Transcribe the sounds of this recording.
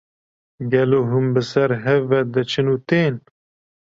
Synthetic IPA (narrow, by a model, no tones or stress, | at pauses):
ɡɛloːɦumbɨsɛɾɦɛvːɛd̪ɨt͡ʃʰɨnuːt̪eːn